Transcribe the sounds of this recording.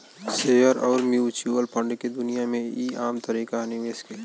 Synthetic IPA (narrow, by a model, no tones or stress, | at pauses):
sejəɾɔːɾmjuːt͡ʃuəlpʰə̃ɳɖked̪ʊnijamẽiːaːmt̪əɾiːkanɪʋeːske